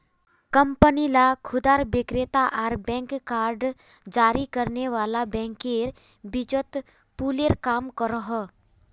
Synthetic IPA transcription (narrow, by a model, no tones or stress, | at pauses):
kə̃mpənilakʰʊd̪aːɾbɪkɾeːt̪aʔaːɾbɛ̃ːŋkkːaːɾɖ | d͡ʒaːɾikəɾneʋaːlabɛ̃ːŋkeɾ | bɪd͡ʒət̪ | puːleːɾkaːmkəɾəɦə